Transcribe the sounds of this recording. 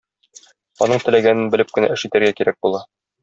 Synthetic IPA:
ɒ̰nɤɴt̪ɘ̆læɡænɘnbɘ̆lɘp̚kɘ̆næ̰ʔɘ̆ʃit̪æɾɡækiɾæk̚bulˠɑ

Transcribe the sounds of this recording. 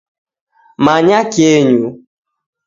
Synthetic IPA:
maɲakeɲu

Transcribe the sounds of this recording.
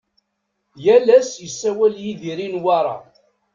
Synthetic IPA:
jælæsjəsːæwæljiðiɾinwɑɾˤɑ̰

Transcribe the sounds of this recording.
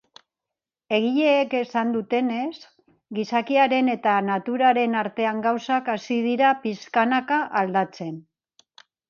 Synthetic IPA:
e̞ɣ̞iʎe̞ːke̞sand̪ut̪e̞ne̞s | ɡisakiaɾe̞ne̞t̪anat̪uɾaɾe̞naɾt̪e̞aŋɡawsakasið̞iɾapiskanakaʔald̪at͡se̞n

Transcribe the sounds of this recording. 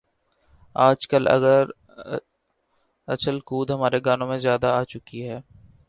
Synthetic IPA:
aːd͡ʒkəlʔɐ̰ɡəɾ | ɐ̰t͡ʃəlkuːd̪ɦɐmaːɾeɡaːnõmẽzjaːd̪aaːt͡ʃʊkiɦɛː

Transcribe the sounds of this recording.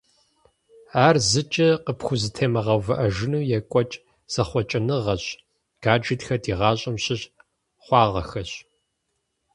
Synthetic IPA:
aːrzɨt͡ʃʼɐqəpxʷʊzɨtʰeːmɐʁɐwvɨʔɐʒɪnuːjɛkʷʼɔt͡ʃʼ | z̥ɐχʷɔt͡ʃʼɐnɨʁɐɕ | ɡ̥aːd͡ʒitxɐdiːʁɑːɕʼɐmɕʼɪɕ | χʷɑːʁɐ̰xɐɕ

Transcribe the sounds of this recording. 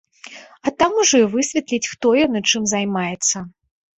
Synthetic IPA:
ɐt̪amuʐɔivɨsʲvʲɛt̪lʲit͡sʲxt̪ɔjɔnɨt͡ʂɨmzajmajɛt̪sːɐ

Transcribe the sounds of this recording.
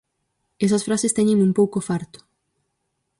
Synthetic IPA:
ɛsɐsfɾasest̪ɛɲẽŋumpowkofaɾt̪ʊ̥

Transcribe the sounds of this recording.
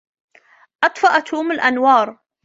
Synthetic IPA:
ʔɑt̪ˤfɑʔat̪ʰuːmɪlʔanwɑːɾˤ

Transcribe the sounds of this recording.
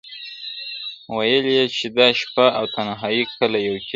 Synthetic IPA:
wajəljet͡ʃed̪ɑʃpaawt̪anaɦɑjikʰalajawk

